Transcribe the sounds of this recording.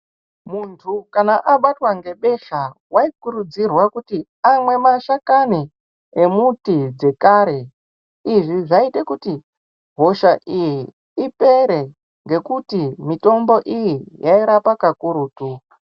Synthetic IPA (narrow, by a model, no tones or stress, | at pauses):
muntʰukanaʔaɓatwaŋɡe̞ɓe̞ʃawaikuɾud͡zirwakuti | amwe̞maʃakani | emutid͡ze̞kaɾe̞ | iʐiʐaitekuti | ɦo̞ʃaʔiji | ipe̞ɾe̞ | ŋɡe̞kutimito̞mbo̞ʔijijaiɾapakakuɾuːtua